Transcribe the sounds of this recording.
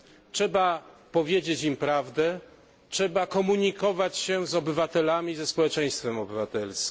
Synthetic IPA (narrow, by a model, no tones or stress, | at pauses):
t͡ʂʂɛbapɔvʲjed͡ʑet͡ɕimpɾavd̪ɛ | tʂɛbakɔmuɲikɔvat͡ɕɕɛzɔbɘvat̪ɛlamʲizɛspɔwɛt͡ʂɛ̃j̃st̪fɛmɔbɘvat̪ɛlsʲ